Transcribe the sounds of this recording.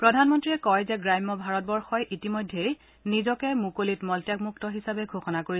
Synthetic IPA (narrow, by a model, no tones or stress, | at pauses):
pɹɔdʱanmɔntɹiɛkɔjzɛɡɹajmɔbʱaɹɔt̚bɔɹxɔjʔitimɔjdʱːej | nizɔkɛmukolitmɔltjakmuktɔɦisabɛɡʱoxɔnakoɹi